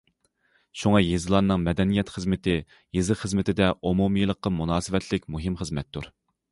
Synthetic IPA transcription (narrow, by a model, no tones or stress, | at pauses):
ʃuŋɑjizɨlˠɑnːɨŋmɛd̪ɛnijɛt̪χəzmɪt̪ɪ | jezɨχəzmɪt̪ʰɪd̪ɛʔomumɨjlˠəqːɑmunɑːsɨvɛt̪ʰlɪkʲmuɦɪmχəzmɛt̪ʰːṵɾ